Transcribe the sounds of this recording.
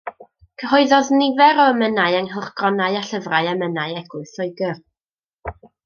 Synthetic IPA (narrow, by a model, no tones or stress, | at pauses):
kʰəhɔɨðɔðnɪvɛɾɔəmənaɨɛŋɦəχɡ̥ɔnaɨaɬəvraɨɛmənaɨɛɡʊɨθɔɨɡər